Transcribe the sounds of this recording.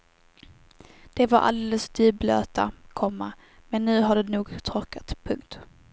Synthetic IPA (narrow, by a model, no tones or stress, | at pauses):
d̪̥ɛvaɾʔa̰ld̪eːləsd̪yːblø̰ːt̪akʰɔmːa | mɛnːʉ̟ːɦaɖɛnuːɡt̪ʰɾɔɾkat̪pʰɵŋk̚t̪